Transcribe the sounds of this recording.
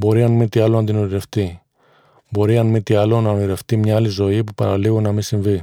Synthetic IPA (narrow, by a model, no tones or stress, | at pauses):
bo̞ɾiɐnmit̪iɐlonɐd̪inoniɾe̞ft̪i | bo̞ɾiɐnmit̪iɐlo̞nɐoniɾe̞ft̪imɲɐɐlizo̞ipupɐ̰ɾɐ̰liɣunɐmisiɱvi